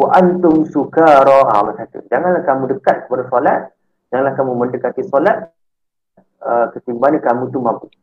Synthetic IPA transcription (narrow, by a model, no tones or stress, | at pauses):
waʔant̪ʊmsukaɾɔa̰masat̪ṵd͡ʒaŋanlahkamũdəkat̪̚kə̥padasɔlat̪̚ | d͡ʒaŋanlahkamuməndəkat̪isɔlat̪̚ | əkət̪imbaanikamũt̪umãmpu